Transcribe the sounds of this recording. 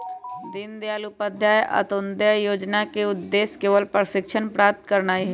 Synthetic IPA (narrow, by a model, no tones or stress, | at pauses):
d̪ɪnd̪eaːlupəd̪ʱjaːjʔə̰t̪ond̪ajoːd͡ʒnaːkeʊd̪d̪ːeːskeːʋəlpɾʃɪkʃʰənpɾaːp̚t̪kəɾnaːi